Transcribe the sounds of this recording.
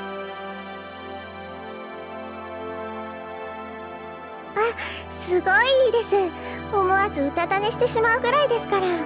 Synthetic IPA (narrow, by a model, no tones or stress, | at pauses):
a | sɨɡo̞id̪e̞sɨ | omo̞azɨɯ̟t̪at̪ane̞ɕi̥t̪e̞ɕimaɯ̟ɡɯ̟ɾaid̪e̞sɨ̥kaɾa